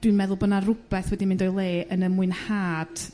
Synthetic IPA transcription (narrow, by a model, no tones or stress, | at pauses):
d̥wiɨnmɛðʊlˠbənarʊb̥ɛθwɛdimɪ̃ndɔjlˠeːʔənəmuɨnhaːd̥